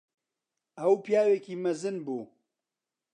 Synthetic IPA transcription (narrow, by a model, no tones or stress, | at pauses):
ɐwpijaːweːkiːmɐzɨnbuː